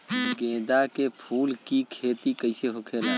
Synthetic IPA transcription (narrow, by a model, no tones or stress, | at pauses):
ɡẽːd̪akepʰuːlkikʰeːt̪ikəɪseɦoːkʰeːla